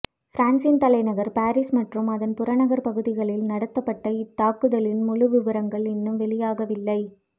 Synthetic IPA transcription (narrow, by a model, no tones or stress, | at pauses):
fɪɾaːnsɪnt̪ɐlɐɪnɐɣɐɾpaːɾɪsmɐʈrɯmɐðɐnpʊɾɐnɐɣɐɾpɐɣɯðɪɣɐɭɪlnɐɽɐt̪ːɐpːɐʈːɐɪt̪ːaːkɯðɐlɪnmʊɻɯʋɪʋɐɾɐŋɡɐɭɪnːɯmʋɛɭɪjaːɣɐʋɪlːɐɪ